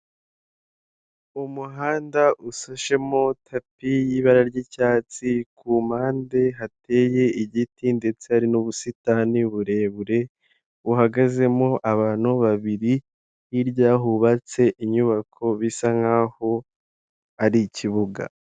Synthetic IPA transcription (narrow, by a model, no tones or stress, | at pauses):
umuɦaːndaʔusoʃe̞mo̞tʰapijiβaɾaɾɟicaːt͡sikʰumaːnde̞ɦate̞ːje̞iɟitinde̞t͡sehaɾinuβusitaniβuɾe̞βuɾe̞ | uɦaɡaze̞moʔaβaːn̥uβaβiɾi | hiɾɟaːɦuβat͡se̞ʔiɲuβakʰo̞βisaŋhaːho̞ | aɾiciβuɡa̰